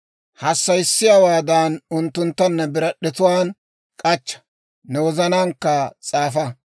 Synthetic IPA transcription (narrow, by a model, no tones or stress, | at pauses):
hɐsːɐjsːɪjaːwaːd̪anʊnt̪ːʊnt̪ːɐnːɐbɪɾɐɗːɛt̪ʊwaːn | kʼɐt͡ʃːɐ̥ | nɛwɔzɐnaːŋkːɐt͡sʼaːfɐ